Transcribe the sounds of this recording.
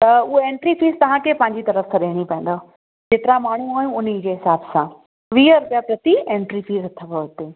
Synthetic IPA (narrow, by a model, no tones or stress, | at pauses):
t̪ɐʊɦoẽːɳʈɾifiːzt̪ɐʋ̤ãkʰepɐ̃ɦɪ̃ɲd͡ʑit̪ɐɾəfsʰãɗeːɽ̃ipɐ̃ẽnd̪o | d͡ʑeːt̪ɪɾamaːɳ̤ũaːjũʊnid͡ʑeːɦɪsaːbsã | ʋiːəɾʊpjapɾɐt̪iẽːɳʈɾifiːzt̪ʰɐʋoɪt̪eː